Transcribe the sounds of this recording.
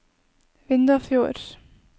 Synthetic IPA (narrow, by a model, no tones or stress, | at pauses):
vɪnt̪afjoːɾ̥